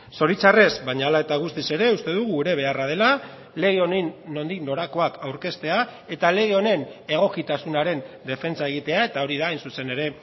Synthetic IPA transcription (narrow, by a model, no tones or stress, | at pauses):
so̞ɾit͡sare̞zbaɲaːlae̞t̪aɣ̞ust̪ise̞ɾe̞ust̪e̞ðuɣ̞uːɾe̞β̞e̞arað̞e̞la | le̞ɣ̞eo̞nenːo̞nd̪ikno̞ɾako̞akawɾke̞st̪e̞a | e̞t̪ale̞ɣeo̞ne̞ne̞ɣ̞o̞kit̪asunaɾe̞nd̪e̞fe̞nt͡sae̞ɣ̞it̪e̞ae̞t̪ao̞ɾiðaːjnsuse̞ne̞ɾe̞